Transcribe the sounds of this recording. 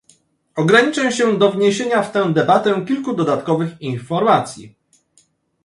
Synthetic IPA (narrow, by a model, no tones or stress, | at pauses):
ɔɡɾaɲit͡ʂɛ̃ɕɛ̃d̪ɔvɲeɕeɲaft̪ɛ̃w̃d̪ɛbat̪ɛkʲilkud̪ɔd̪at̪kɔvɘxinfɔɾmat̪sʲjḭ